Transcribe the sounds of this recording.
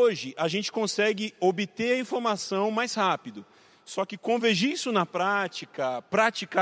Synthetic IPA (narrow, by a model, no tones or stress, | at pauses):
oʒɪʔaʒẽnt͡ʃɪ̥kõsɛɡɪobɪt̪eɾɐĩfoɾmasɐ̃w̃majshapid̪ʊ | sɔkɪkõveʒiisʊnɐpɾat͡ʃikɐpɾat͡ʃika